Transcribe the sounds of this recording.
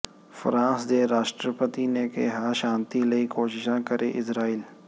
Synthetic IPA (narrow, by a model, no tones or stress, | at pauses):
fəɾãːnsd̪eːɾaːʃʈɾəpət̪inekeɦaʃãːnt̪iləikoːʃɪʃãːkəɾʔeʔɪsɾaːiːl